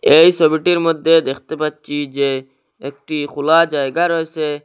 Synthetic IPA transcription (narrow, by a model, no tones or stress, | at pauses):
ejsɔbiʈiɾmod̪ʱːed̪ekʰt̪epatːt͡ʃʰid͡ʑe | ek̚ʈixulad͡ʒaeɡaɾɔesʰe